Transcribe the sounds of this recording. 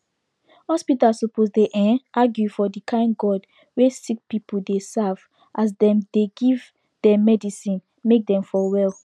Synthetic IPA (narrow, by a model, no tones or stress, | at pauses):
hɔspitasoposdeʔɛ̃nʔaɡjufɔdikʰãɪ̃nɡɔd | wesik̚pipʰuldesav̥ | ʔas̬dɛ̃mdeɡiv | d̥ɛmɛdisĩn | mek̚dɛ̃mfɔwɛl